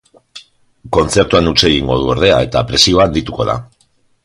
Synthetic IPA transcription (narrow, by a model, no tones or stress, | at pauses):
ko̞nt͡se̞ɾt̪uanut͡seɣiŋɡo̞ð̞uoɾðe̞a̰e̞t̪apɾe̞sio̞and̪it̪uko̞ða̰